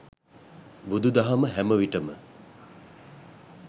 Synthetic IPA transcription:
bud̪ud̪aɦaməɦɛməʋiʈəmə

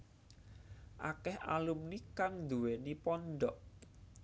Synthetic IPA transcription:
ʔa̰kɛha̰lumnikaŋd̪uwenipɔnɖ̪ɔʔ

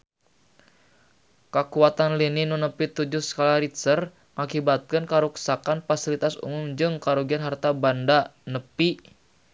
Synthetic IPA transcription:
kəkuat̪anlininunəpit̪ud͡ʒʊhskalaɾit̪sər | ŋakibat̪̚kənkaɾuksakanfasilit̪asṵmʊmd͡ʒɨŋkaɾuɡianɦart̪abandanəpi

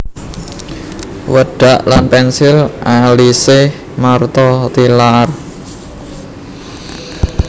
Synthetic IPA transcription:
wəɖ̥aʔlanpɛnsɪlʔalisɪh | mart̪ɔt̪ilar

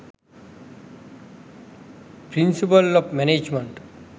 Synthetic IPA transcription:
pɾinsipəlɔbmɛned͡ʒmeɳʈ

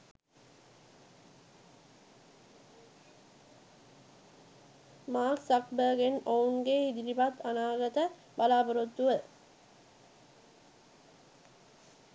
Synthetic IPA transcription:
maːksakbəːɡenounɡeid̪iɾipat̪anaːɡət̪ə | balaːpəɾot̪ːuʋə

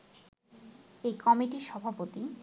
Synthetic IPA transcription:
ekɔmiʈiɾʃɔbʱapot̪i

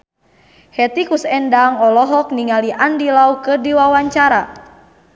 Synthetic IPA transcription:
hɛt̪ikusɛndaŋɔlɔɦɔkniŋaliʔandilaukɨrdiwawaɲt͡ʃaɾa

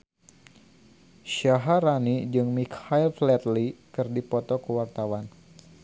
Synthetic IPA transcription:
ʃaɦaɾanid͡ʒɨŋmikhailflɛt̪likɨrdipɔt̪ɔkəwart̪awan

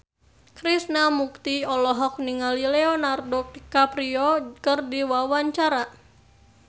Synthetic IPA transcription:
kɾisnamuk̚t̪iɔlɔɦɔk̚niŋalilɛɔnardɔk̚kapɾiɔkərdiwawaɲt͡ʃaɾa

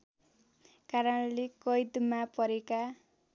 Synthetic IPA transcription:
kaɾʌnlekʌjd̪mapʌɾeka

